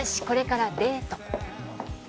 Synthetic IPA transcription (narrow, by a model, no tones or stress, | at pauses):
ɕi̥ko̞ɾe̞kaɾabe̞ːt̪o